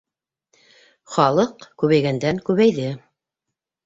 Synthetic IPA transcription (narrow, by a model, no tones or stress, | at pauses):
χɑlˠɤqkʉβæjɡænd̪æŋkʉβæjðɘ